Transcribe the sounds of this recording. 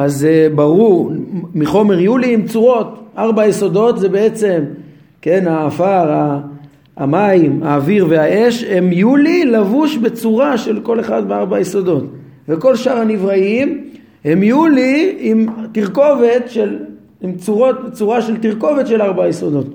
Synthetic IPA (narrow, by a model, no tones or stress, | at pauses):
azebaʁuʁmiχo̞me̞ʁjuliːmt͡suʁo̞t̪ʔaʁbajeso̞do̞t̪zebe̞et͡se̞m | ke̞nhaːfaʁaː | maimaːviʁveae̞ʃhe̞mijulilavuʃbe̞t͡suʁaʃe̞lko̞le̞χad̪beaʁbajeso̞do̞t̪ | ve̞ko̞lʃaʁhanivʁaim | he̞mijuliimtiʁko̞vet̪ʃel | imt͡suʁo̞t̪̚bet͡suʁaʃelt̪iʁko̞vet̪ʃe̞laʁbajeso̞d̪o̞t̪